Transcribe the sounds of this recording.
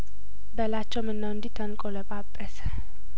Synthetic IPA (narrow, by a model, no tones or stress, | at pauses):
bəlat͡ʃːɛwmɨnːəwɨnd̪it̪ʰːənkʼoləpʼabʼəsə̥